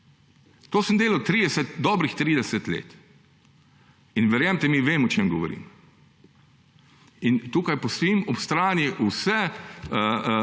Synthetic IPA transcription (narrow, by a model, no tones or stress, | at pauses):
t̪oːsəmd̪eːlɐwt̪ɾid̪ɛsɛt̪d̪ɔːbɾixt̪ɾiːd̪ɛsɛt̪lḛːt̪ | inʋɛɾjamt̪ɛmiʋeːmɔt͡ʃeːmɡɔʋɔ̰ɾḭm | int̪uːkajpɔst̪ɔimɔpst̪ɾaːniʔusɛ